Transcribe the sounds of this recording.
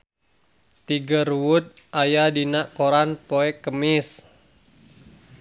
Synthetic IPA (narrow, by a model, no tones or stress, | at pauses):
t̪iɡərwut̪̚ | ʔajadinaʔkoɾanpoɛkəmɪs